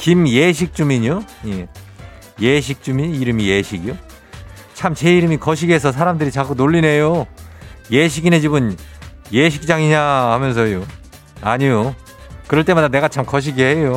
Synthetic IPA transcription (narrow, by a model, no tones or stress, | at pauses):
kimje̞ɕ̬ʰik̚t͡ɕ͈umiɲoje | je̞ɕ̬ʰik̚t͡ɕ͈umiɲiɾɯmije̞ɕʰiɡijo | t͡ɕʰamt͡ɕe̞iɾɯmikʌɕ̬ʰiɡes̬ʰʌs̬ʰaɾamdɯɾit͡ɕak͈unoʎːine̞jo | je̞ɕʰiɡined͡ʑibɯnjeɕʰik̚t͡ɕ͈aŋiɲahamjʌns̬ʰʌjo | aɲijo | kɯɾʌɭt͈e̞madane̞ɡat͡ɕʰamkʌɕ̬ʰiɡeɦejo